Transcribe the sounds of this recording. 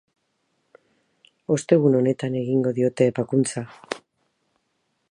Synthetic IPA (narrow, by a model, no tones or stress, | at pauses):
o̞st̪e̞ɣuno̞ne̞t̪ane̞ɣiŋɡo̞ðio̞t̪e̞ːpakunt͡sa